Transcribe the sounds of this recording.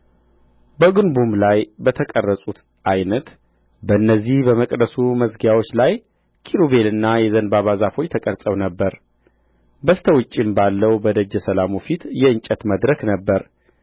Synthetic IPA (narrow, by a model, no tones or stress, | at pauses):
bəɡɨnbumlajbət̪ʰəkʼərːəsʼut̪ | ʔajnət̪ | bəɨnːəzːihbəməkʼd̪əsuməsɡjawo̞t͡ʃːlaj | kʰiɾuβe̞lɨnːajɛzənbaβazafo̞t͡ʃːt̪ʰəkʼəɾsʼəwnəbːəɾ | bəst̪ʰəwʊt͡ʃʼːimbalːəwbəd̪əd͡ʒːɛsəlamufit̪jɛɨnt͡ʃʼət̪məd̪ɾəknəbːəɾ